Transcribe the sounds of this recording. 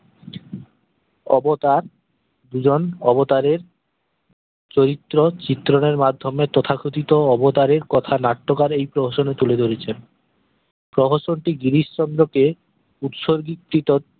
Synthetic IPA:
ɔbot̪aɾ | d̪ud͡ʑonɔbot̪aɾeɾ | t͡ɕoɾit̪ːɾot͡ɕit̪ːɾoneɾmad̪ʱːomet̪ɔt̪ʰakʰut̪it̪oɔbot̪aɾeɾkɔt̪ʰanaʈːokaɾejpɾoɦoʃonet̪uled̪ʱoɾet͡ɕʰen | pɾoɦoʃonʈiɡiɾiʃʃɔnd̪ɾoke | ut̪ʃoɾɡikːɾit̪ot̪̚

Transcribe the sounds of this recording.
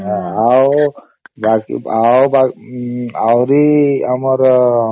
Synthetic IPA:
ɦaaw | bakḭawba | awɾiəməɾ

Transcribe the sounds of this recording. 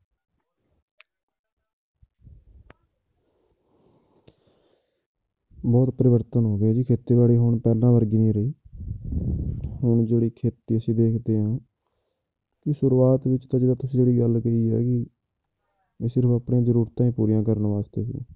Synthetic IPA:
bɔːt̪pɾɪʋəɾt̪ənɦoːɡeːd͡ʒiːkʰeːt̪eːbaːɽiːɦʊɳpɛːlãːʋəɾɡiːnĩːɾəiː | hʊɳd͡ʒeːɽiːkʰeːt̪iːəsĩːd̪eːkʰd̪eːɦãː | kɪsʊɾuːaːt̪ʋɪt͡ʃt̪ãːd͡ʒeːd̪ãːt̪ʊsĩːd͡ʒeːɽiːɡəlkəiːɛ̰ːkɪ | sɪɾpʰəpɳẽːzəɾuːɾt̪ãːĩːpuːɾijãːkəɾənʋaːst̪eːsḭ̃ː

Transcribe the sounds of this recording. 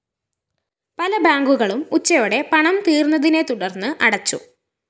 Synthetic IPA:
pɐlɐbaːŋɡuɣɐɭumut͡ɕːɐjoːɽe̞pɐɳɐmt̪iːrnːɐðine̞t̪uɽɐrnːɨʔɐɽɐt͡ɕːṵ

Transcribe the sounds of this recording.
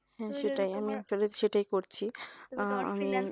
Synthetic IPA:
ɦɛ̃ʃeʈajamifelet̪ʃeʈajkoɾt͡ɕʰi | a̰mi

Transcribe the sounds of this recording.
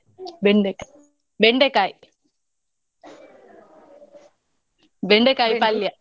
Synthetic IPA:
ʋeɳɖeka | ʋeɳɖekːaːj | ʋeɳɖekːaːjpɐljɐ

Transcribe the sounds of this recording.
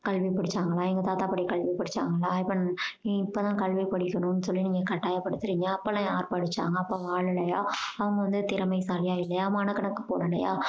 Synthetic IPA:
kɐɭʋipɐɽɯt͡ʃːaːŋɡɐɭaːɛŋɡɐt̪aːt̪aːpɐɽikɐɭʋipɐɽɯt͡ʃːa̰ːŋɡɐɭaːɪpːɐnɪpːoːt̪ãːkɐɭʋipɐɽɪkʲːɐɳʊ̃nːɯsɔlːiniːŋɡɐkɐʈːaːjɐpːɐɽɯt̪ːɪɾiːŋɡɐɐpːɐlɐ̃aːɾpɐɽɯt͡ʃːa̰ːŋɡɐːpːoːʋaːɭɪlːɐjaːɐʋɐŋɡɐʋɐnd̪ɯt̪ɪɾɐmɐɪsaːlɪjaːɪlːɐjaːmɐnɐkːɐɳɐkːɯ̥poːɳɐlɐja̰ː

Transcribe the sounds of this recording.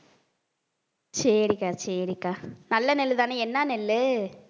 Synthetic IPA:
sɛɾikaːsɛːɾikaːnɐlːɐnɛlːɯðaːneɛnːanɛlːɯ

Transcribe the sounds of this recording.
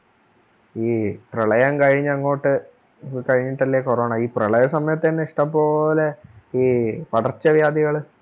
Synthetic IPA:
iːprɐɭɐjɐŋkɐɻiɲːɐŋːo̞ːʈːɨ | kɐɻiɲːiʈːɐlːekorɐːɳaiːprɐɭɐjɐsɐmɐjɐt̪ːenːeiʂʈɐmpːoːleiːpɐɽɐrt͡ɕːɐʋjaːd̪iɣɐɭ

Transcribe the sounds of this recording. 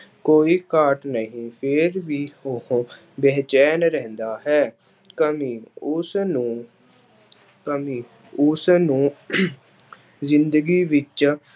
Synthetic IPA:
koːiːkaːʈnəɦĩːpʰɪɾʋiːoɦː | bɛːt͡ʃɛːnɾɛ̃ːnd̪aːɦɛː | kəmiːʊsnũː | kəmiː | ʊsnũː | zɪnd̪əɡiːʋɪt͡ʃ

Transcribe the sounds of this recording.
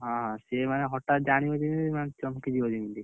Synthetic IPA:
ɦɔ̃ɦãsemaneɦɔʈat̪̚d͡ʒañibod̪imimant͡ʃɔmkid͡ʒibod̪imili

